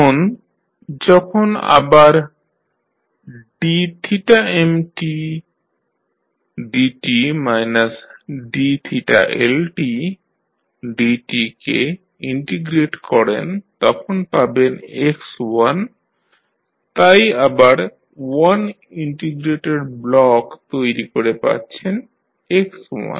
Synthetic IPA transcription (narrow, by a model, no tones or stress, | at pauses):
on | d͡ʑɔkʰona̰baɾ | ɖit̪ʰiʈaemʈi | ɖiʈimajnasɖit̪ʰiʈa̰ʔelʈi | ɖiʈikḛ | iɳʈeɡɾeʈkɔɾent̪ɔkʰonpabenekswan | t̪ajabaɾ | wan | iɳʈeɡɾeʈeɖblɔkt̪ojɾikoɾepa̰tːɕʰen | ekswa̰n